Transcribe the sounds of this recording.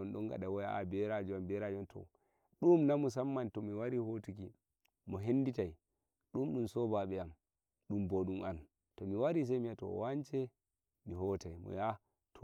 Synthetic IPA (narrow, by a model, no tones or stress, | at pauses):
ɔnɗɔŋɡa̰ɗawɔja̰bɛɾad͡ʒuambɛɾad͡ʒɔntʰɔ̰ | ɗumnamus̬amːantɔmiwaɾihotuki | mɔɦenːditaj | ɗumɗumsɔbaɓɛam | ɗumboɗumʔan | tɔmiwaɾis̬ajmiatɔ̰want͡ʃɛ | miɦɔtajmɔ̰ja | tʰɔ